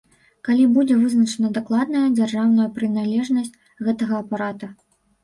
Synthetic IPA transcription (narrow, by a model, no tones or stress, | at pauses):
kalʲibud͡zʲɛvɨznɐt͡ʂɐnɐd̪aklˠad̪̚nɐjɐd͡zʲarʐawnɐjɐpɾɨnalʲɛʐnɐsʲt͡sʲ | ɣɛt̪ɐɣɐːpaɾat̪u